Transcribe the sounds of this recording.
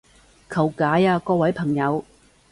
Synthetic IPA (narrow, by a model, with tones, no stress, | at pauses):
kʰɐ˨˩wkaː˨˥jaː˧kɔː˧wɐ˨˥jpʰɐ˨˩ŋjɐ˨˧w